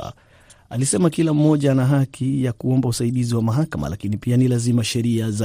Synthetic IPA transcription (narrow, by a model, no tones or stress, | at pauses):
alisɛmakilam̩ːɔʄanaɦakʰijakuɔmbausaiɗiziwamaɦakama̰lakinipianilazimaʃɛɾiaza